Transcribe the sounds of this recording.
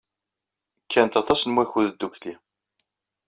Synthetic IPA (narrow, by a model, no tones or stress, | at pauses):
kːænət̪ɑt̪ˤɑsnmwæçuðəd̪ːuçli